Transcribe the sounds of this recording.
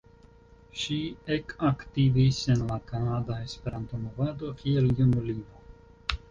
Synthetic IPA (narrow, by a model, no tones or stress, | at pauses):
ʃie̞kaktivise̞nlakanadae̞spe̞ɾant̪omo̞vad̪o̞kʰie̞ljumulimo